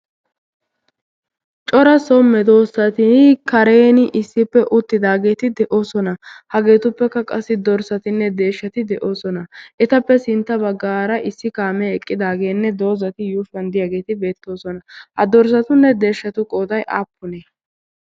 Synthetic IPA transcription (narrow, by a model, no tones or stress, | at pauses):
t͡ʃʼɔɾɐsɔmɛd̪o̞ːsɐt̪ɪkɐɾeːnɪʔɪsːɪpːɛʔʊt̪ːɪd̪aːɡe̞ːt̪ɪd̪ɛʔo̞ːsɔnɐhɐɡe̞ːt̪ʊpːɛkːɐkʼɐsːɪd̪ɔɾsɐt̪ɪnːɛd̪e̞ːʃːɐt̪ɪd̪ɛʔo̞ːsɔnɐʔɛt̪ɐpːɛsɪnt̪ːɐbɐɡːaːɾɐʔɪsːɪkaːmɛɛkʼːɪd̪aːɡe̞ːnːɛd̪o̞ːzɐt̪ɪjuːfɐnd̪ɪjaːɡe̞ːt̪ɪbe̞ːt̪ːo̞ːsɔnɐhɐd̪ɔɾs̬ɐt̪ʊnːɛd̪e̞ːʃːɐt̪ʊkʼo̞ːd̪ɐjʔa̰ːpːʊneː